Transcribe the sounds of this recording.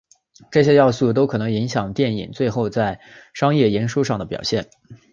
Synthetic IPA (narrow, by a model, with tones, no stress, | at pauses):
ʈ͡ʂɤ˥˩ɕjɛ˥jɑ˥˧ʊsu˥˩t̪o˥ʊkʰɤ˨˩nɤ˧˥ŋi˧˥ŋɕjɑ˨˩ŋt̪jɛ˥˩nḭ˨˩ŋt͡swe˥˧ɪxo˥˧ʊt͡sa˥˩ɪʂɑ˥ŋjɛ˥˩jɛ˧˥nʂu˥ʂɑ˥˩ŋd̪ə˩pjɑ̰˨˩ʊɕjɛ˥˩n